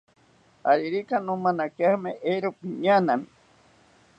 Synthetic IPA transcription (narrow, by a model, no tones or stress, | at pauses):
aɾiɾikanũmanakeahmeʔeɾopiɲanami